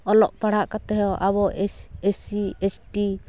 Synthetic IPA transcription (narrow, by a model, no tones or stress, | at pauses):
ɔlɔʔpaɽ̤aʔkat̪ɛɦʔaβɔɛesiɛsʈi